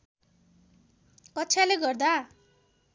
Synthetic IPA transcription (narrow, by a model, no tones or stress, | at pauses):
kʌtːt͡sʰaleɡʌrd̪a